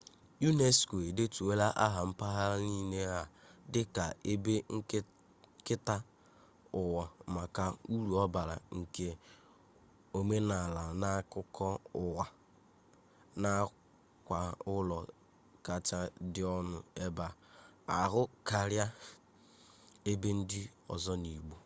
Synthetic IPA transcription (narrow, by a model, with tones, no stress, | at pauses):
ju˦ne˦sko˨e˨de˦tu˨we˦la˦ʔa˦ɦa˨m̩˦pa˦ɦa˦ni˦ne˦ɦa˨ | dɪ˦ka˨e˦be˦ŋ̩˦ | kɪ˦ta˦ | ʊ˨wɔ˨ma˨ka˨u˦ɾu˨ɔ˦ba˨ɾa̰˨ŋ̩˨ke˨ | o˦me˦na˨la˨na˦kʊ˦kʰɔ˦ʊ˨wa˨ | na˦ | kʷa˨ʊ˦lɔ˨ | ka˨t͡ʃa˦dɪ˨ɔ˦nʊ˨e˦ba˨a˨ɦʊ˦ka˨ɾja˦ | e˦be˦n̩˦dɪ˦ɔ̰˨zɔ˦ni˨ɡ͡bu˦